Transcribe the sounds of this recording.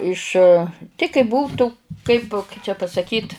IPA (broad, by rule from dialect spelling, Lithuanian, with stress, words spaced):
ˈɪʃ tʲɪ kɐɪ ˈbuːtʊ ˈkɐɪp kɐɪ t͡ʃʲɛ pɐsɐˈkʲiːt